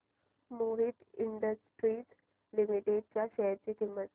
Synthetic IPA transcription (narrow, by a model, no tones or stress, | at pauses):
moɾit̪iɳɖəsʈɾiːd͡z | limiʈeɖ̚t͡ɕjaɕəɦəɾt͡ɕikimːət̪